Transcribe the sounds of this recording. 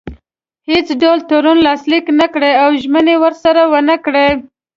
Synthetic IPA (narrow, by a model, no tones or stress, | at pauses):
het͡sɖɑlt̪oɾunlɑsliknakɽeawʒmənewəɾsaɾawənəkɽe